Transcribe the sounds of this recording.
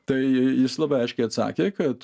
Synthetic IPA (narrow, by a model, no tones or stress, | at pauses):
t̪ɐɪjɪslˠɑbɐɪɐɪʃkʲɛɪɐt̪sɑ̰ːkʲeːkɐt̪